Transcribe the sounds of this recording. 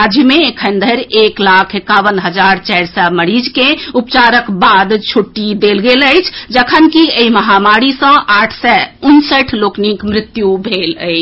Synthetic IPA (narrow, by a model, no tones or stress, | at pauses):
ad͡ʒʱmeːkʰənd̪ʱəjɾeklakʰekaʋənɦəd͡ʒaɾt͡ʃɛjɾsəməɾid͡ʒkeupt͡ʃaɾəkbad̪t͡ʃʰuʈːid̪elɡeləjt͡ʃʰd͡ʒəkʰənkieiməɦamaɾisə̃ʔaʈʰsɛunsəʈʰloknikmɾit̪jubʱelə̰ɪt͡ʃʰ